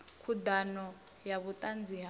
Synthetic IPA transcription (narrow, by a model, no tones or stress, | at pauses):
kʰud̪anɔ | jaβut̪ʼand͡ziɦ